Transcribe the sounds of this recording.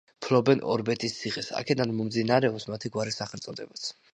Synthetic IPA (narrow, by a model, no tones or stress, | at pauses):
pʰlɔbɛnɔ̰ɾbɛt̪ʼist̪sʰiχɛsa̰kʰɛd̪anmɔmd̪zinaɾɛɔpsmat̪ʰiɡwaɾisaχɛlt̪sʼɔd̪ɛbat̪sʰ